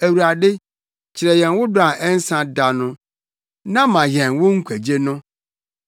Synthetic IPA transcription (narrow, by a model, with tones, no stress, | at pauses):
æ˨wu˨ɾa˨dɪ˦ | t͡ɕʰɪ˨ɾɛ˨jɛ̃˨nwʊ˦da˨ʔɛ˦n̩˦sã˦da˨nʊ̃˦ | nã˦mã˨jɛ̃˨nwʊ˦ŋ̩˦kʷʰæ˨d͡ʑe˦nʊ̃˦